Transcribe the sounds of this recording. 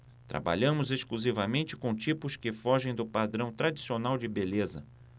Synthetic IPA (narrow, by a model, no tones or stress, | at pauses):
t̪ɾa̰ba̰ʎɐ̃mʊzeskluzivɐmẽnt͡ʃɪ̥kõt͡ʃipʊskɪfɔʒẽj̃d̪ʊpad̪ɾɐ̃w̃t̪ɾad͡ʒisionawd͡ʒɪbelezɐ